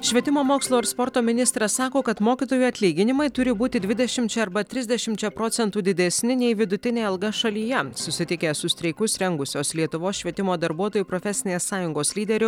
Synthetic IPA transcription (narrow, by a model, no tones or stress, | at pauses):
ʃʲʋʲiɛt̪ʲɪmoːmoːkslˠoːɪɾspɔɾt̪oːmʲɪnʲɪst̪ɾɐssɑːkoːkɐt̪moːkʲiːt̪oːjuːɐt̪ʲlʲiːɡʲɪnʲɪmɐɪt̪ʊɾʲɪbuːt̪ʲɪd̪ʲʋʲɪd̪ʲɛʃʲɪmʲt͡ʃʲɛɐɾbɐt̪ʲɾʲɪzʲd̪ʲɛʃʲɪmʲt͡ʃʲɛpɾoːt̪sʲɛnt̪uːd̪ʲɪd̪ʲɛsʲnʲɪnʲɛɪʋʲɪd̪ʊt̪ʲɪnʲeːɐlˠɡɐʃɐlʲiːjɛsʊsʲɪt̪ʲɪkʲeːsʊsʲt̪ɾʲɛɪkʊsɾʲɛŋɡʊsʲoːslʲiɛt̪ʊʋoːsʃʲʋʲiɛt̪ʲɪmoːd̪ɐɾbuɔt̪oːjuːpɾofʲɛsʲɪnʲeːssɑːjʊŋɡoːslʲiːd̪ʲɛɾʲʊ